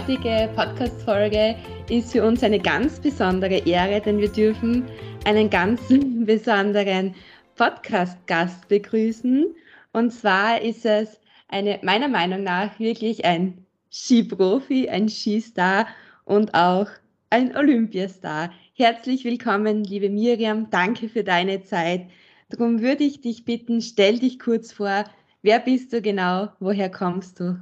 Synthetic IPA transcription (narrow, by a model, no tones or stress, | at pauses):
tɪɡəpʰɔtkʰaːstfɔlɡə | ʔɪstfyːɐʊnsaɪnəɡa̰nt͡sb̥əzɔndəʁəʔeːʁədɛnviːɐdʏɐfn̩ʔaɪnənɡant͡sn̩bəzɔndəʁən | pʰɔtkʰaːst̚ɡ̥ast̚b̥əɡʁyːsn̩ | ʔʊntt͡sv̥aːɐʔɪstɛs | ʔaɪnəmaɪnɐmaɪnʊŋnaːxv̥ɪɐklɪçaɪn | ʃiːpʁ̥oːfia̰ɪnʃiːstaːɐ | ʔʊntaʊx | ʔaɪnʔolʏmpjasta̰ːɐ | hɛɐt͡slɪçvɪlkʰɔmənliːbəmiːʁiamd̥aŋkʰəfyːɐdaɪnət͡saɪt | d̥ʁʊmvʏɐdəɪçd̥ɪçb̥ɪtn̩ʃtɛldɪçkʰʊɐt͡sfoːɐ | veːɐbɪst̚d̥uːɡənaʊvoːɦeːɐkʰɔmst̚d̥uː